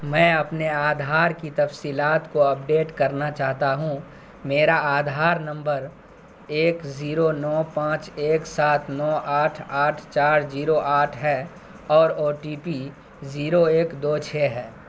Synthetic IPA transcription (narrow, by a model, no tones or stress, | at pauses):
mɛ̃ːɐpneaːd̪ʱaːɾkit̪ɐfsiːlaːt̪koɐp̚ɖeːʈkɐɾnat͡ʃaːɦt̪aɦũ | meːɾaaːd̪ʱaːɾnɐ̃mbəɾ | eːkziːɾonɔːpãːt͡ʃeːksaːt̪ʰnɔːʔaːʈʰaːʈʰt͡ʃaːɾziːɾoʔaːʈʰɦɛ | ɔːɾoːʈiːpi | ziːɾoeːkd̪oːt͡ʃʰeːɦɛː